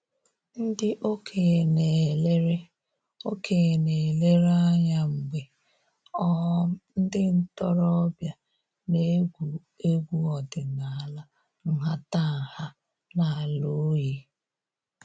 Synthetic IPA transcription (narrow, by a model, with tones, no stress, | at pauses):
n̩˦dɪ˦ʔo˦kʰe˨ne˨le˦ɾe˦ | o˦kʰe˨ne˨le˦ɾa˦ɲa˦ŋ͡m̩˨ɡ͡be˨ | ɔ˦n̩˦dɪ˦n̩˦tɔ˦ɾɔ˦ɔ˦bja˦ | ne˦ɡʷu˨ | e˦ɡʷu˦ɔ˨dɪ˨na˨a˨la˦ | ŋ̩˨ɦa˦ta˦˨ha˦ | na˨a˨lo˦ji˦